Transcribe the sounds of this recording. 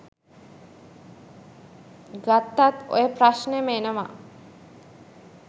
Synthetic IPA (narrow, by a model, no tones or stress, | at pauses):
ɡat̪ːat̪o̰jəpɾaʃnəemenəma̰